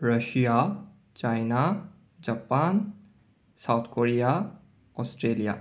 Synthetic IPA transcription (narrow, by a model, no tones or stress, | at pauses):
ɾəʃija | t͡ʃajna | d͡ʒapaːn | sawt̪ʰkoɾija | ɔsʈɾelija̰